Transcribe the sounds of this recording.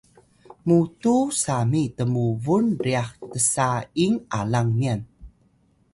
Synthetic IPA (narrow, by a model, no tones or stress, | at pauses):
mutusamitəmuvunriaxtəsaiŋʔa̰laŋmian